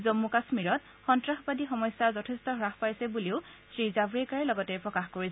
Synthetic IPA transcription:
zomːukasmiɹɔt | xɔntɹaxbadixɔmɔjsːazɔtʰestɔɦɹaxpajsɛbuliʊsɹizabɹɛkaɹɛlɔɡɔtɛpɹɔkaxkoɹisɛ

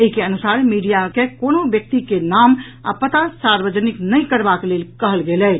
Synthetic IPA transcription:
eikeənusaɾmiɖijakekonobjək̚t̪ikenam | a̰pət̪asaɾʋəd͡ʒəniknəikəɾbakelelkəɦəlɡelɛ

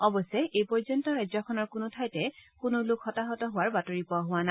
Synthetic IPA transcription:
ɔbɔsɛʔejpɔɹzɔntɔɹajzɔkʰɔnɔɹkʊnʊtʰajtɛkʊnʊlʊkxɔtaɦɔtɔɦʊwaɹbatoɹipɔɦʊwana

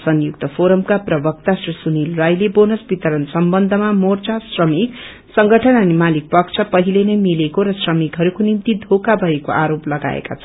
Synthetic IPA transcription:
sʌnjuk̚t̪ʌpʰoɾʌmkaprʌbʌk̚t̪asrisunilrajlebonʌsbit̪ʌɾʌnsʌmbʌnd̪ʱʌmamort͡sasrʌmik | sʌŋɡʱʌʈʰʌnʌnimalik̚pʌkt͡sʰʌpʌɦilenʌjmilekoɾʌsrʌmikɦʌɾukonimt̪id̪ʱokabʱʌekoʔaɾoplʌɡa̰ḛka̰t͡sʰʌ

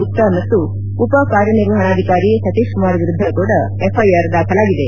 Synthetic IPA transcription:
utt̪ːɐmɐt̪ːu | upɐkaːɾjɐniɾʋɐɦɐɳaːd̪ʱikaːɾisɐt̪iʂkumaːɾʋiɾud̪ʱːɐkuːɽɐ | epʰɐjɐɾd̪aːkʰɐlaːɡid̪e

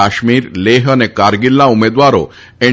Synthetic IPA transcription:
aɕmiːɾleɦənekaɾɡilːãumed̪ʋaɾo̰ | e

